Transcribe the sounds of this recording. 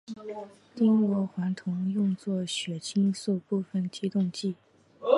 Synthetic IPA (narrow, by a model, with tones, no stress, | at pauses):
t̪i˥ŋkwɔ˧˥xwa˧˥nt̪ʰʊ˧˥ŋjʊ˥˧ŋt͡swɔ˥˩ɕɥɛ˨˩t͡ɕʰi˥ŋsu˥˧ʊpu˥˧˩fə˨˩nt͡ɕʰi˧˥t̪ʊ˥˧ŋt͡ɕi˥˩